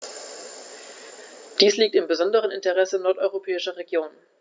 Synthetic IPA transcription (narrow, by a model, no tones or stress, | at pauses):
d̥iːsliːk̚tɪmbəzɔndəʁ̞ənɪntəʁɛsənɔɐtʔɔʏʁopʰɛːɪʃɐʁeɡjoːn